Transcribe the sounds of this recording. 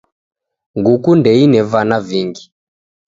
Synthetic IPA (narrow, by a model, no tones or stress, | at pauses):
ŋɡukundɛinɛvanaviŋɡi